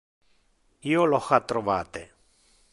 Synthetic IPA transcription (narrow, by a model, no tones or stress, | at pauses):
ioloxat̪ɾovaːt̪e